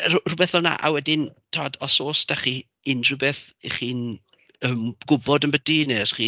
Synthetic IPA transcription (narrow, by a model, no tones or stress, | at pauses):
rrʊbɛθɔlˠna̰ʔa̰wɛdɪntʰaadɔsoːsd̥aχiː | ɪndrubeθiχiːn | əmɡʊbɔdənbədinɛrχiː